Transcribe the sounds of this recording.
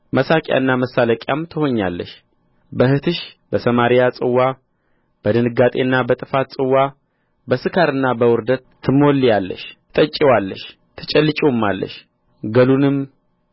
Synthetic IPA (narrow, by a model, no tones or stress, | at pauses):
məsakʼja̰ɨnːaməsːaləkʼjamt̪ʰɨho̞ɲːa̰lːə̰ʃ | bəhɨt̪ʰɨʃ | bəsəmaɾijat͡sʼɨwːa | b̥əd̪ɨnɨɡat̪ʼenːabət̪ʼɨfat̪sʼɨwːa | bəsɨkʰaɾɨnːabəwɔɾd̪ət̪ʰːɨmolːjalːə̰ʃ | t̪ʼət͡ʃʼːɛwalːə̰ʃ | t̪ʰɨt͡ʃʼɛlːɨt͡ʃʼewmːalːə̰ʃ | ɡəlunɨm